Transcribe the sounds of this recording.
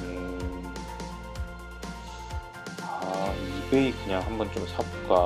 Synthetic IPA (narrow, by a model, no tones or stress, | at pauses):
ɯ | aaiɡeikɯɲaŋɦambʌnt͡ɕ͈omsʰabok͈a